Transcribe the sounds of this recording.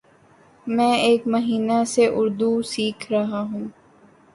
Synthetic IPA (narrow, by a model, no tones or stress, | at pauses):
mɛ̃ːeːkmɐɦiːnaseʔʊɾd̪usiːkʰɾɐɦaɦũː